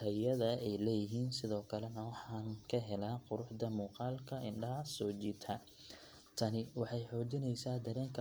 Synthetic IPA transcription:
tʰɐjɐðɐɛjlɛːjɪɦiːnsɪðɔːkʰɐlɛnɐwɑħɑːŋnkʰɐɦɛlaːqʊɾʊħd̪ɐmuːqɑːlkʰɐɪɳɖɐɦɐsɔːt͡ʃiːt̪ʰɐ | t̪ʰɐnɪwɑħɑjħɔːd͡ʒɪnɛjsaːd̪ɐɾɛːŋkʰɐ

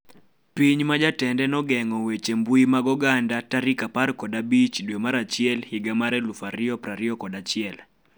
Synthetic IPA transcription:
piɲmad͡ʒatɛndɛnɔɡɛŋɔwet͡ʃembuimaɡɔɡandataɾikapaɾkɔdabit͡ʃdwemaɾat͡ʃɪɛlhiɡamaɾɛlufaɾɪɔpɾaɾɪɔkɔdat͡ʃɪɛl

